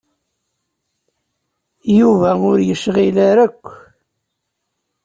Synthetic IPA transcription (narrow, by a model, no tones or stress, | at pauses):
juvæʊɾjəʃʁilaɾækʷː